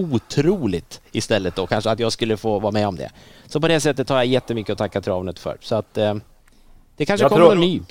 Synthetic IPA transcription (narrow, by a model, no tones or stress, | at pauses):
uːt̪ʰɾuːlɪt̪ɪst̪ɛlːət̪̚d̪ɔkʰanʂəat̪jɑːɡskɵlːəfoːvɑːɾamɛɔmd̪ɛ̰sɔpɔd̪ɛsɛt̪ːət̪ʰːɑːɾjajɛt̪ːəmʏkːəɔt̪ʰakːat̪ʰɾɑːvnət̪fœ̰ːɾsɔat̪ | d̪̥ɛkʰanʂəkɔːɛnːyː